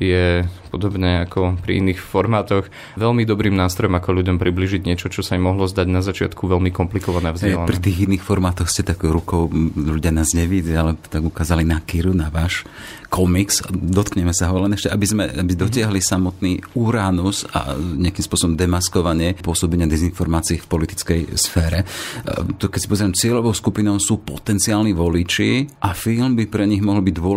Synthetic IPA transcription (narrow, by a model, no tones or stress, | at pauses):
jɛpɔd̪ɔbɲɛakɔpɾḭḭniːxfɔɾmaːt̪ɔx | ʋɛlmid̪ɔbɾiːmnaːst̪ɾɔjɔmakɔʎuɟɔmpɾibliːʒiɟɲɪɛt͡ʃɔt͡ʃɔsaimːɔɦlɔzd̪aɟnazat͡ʃɪa̰t̪kʰuʋɛlmikɔmplikɔʋanɛavzɛlapɾiɛt̪iːɣinːiːxfɔɾmaːt̪ɔxscɛt̪akɾukɔʊʎuɟɪanaːzɲɛʋidialɛt̪aɡukaːzalinakiɾunaʋaːʃ | kʰɔmiksd̪ɔt̪kɲɛmɛsaɦɔlɛnɛʃcɛʔabizmɛ̰abid̪ɔtɪaɦlisamɔt̪niːuɾanuza̰ɲɪakimspʊɔsɔbɔmd̪ɛmaskɔʋaɲɪɛpʊɔsɔbɛɲɪad̪ɛzinfɔɾmaːt͡siifpɔlit̪i̥t͡skɛjsfɛːɾɛ | t̪kɛcsi̥pɔzɛɾɛmt͡sɪɛʎɔʋɔʊskupinɔʊsuːpɔt̪ɛnt͡siaːlniʋɔlit͡ʃiʔafilmbipɾɛɲiɣmɔɦl̩biɟd̪ʊɔ